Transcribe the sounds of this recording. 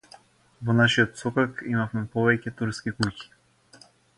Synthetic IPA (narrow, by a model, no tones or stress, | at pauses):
vɔnaʃiɔt̪sɔkakimafmɛpɔvɛcɛt̪uɾskikuci̥